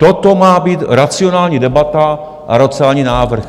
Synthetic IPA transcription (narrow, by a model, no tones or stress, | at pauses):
t̪ot̪omaːbiːt̪ɾat͡sɪo̞naːlɲiːdɛbat̪a | ʔa̰ɾat͡sɪaːlɲiːnaːvr̩x